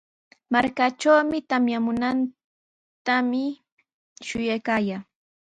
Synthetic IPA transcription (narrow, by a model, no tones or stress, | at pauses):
maɾkaʈ͡ʂawmɪt̪amjamʊnan | t̪amɪ | ʃʊjajkaːjaː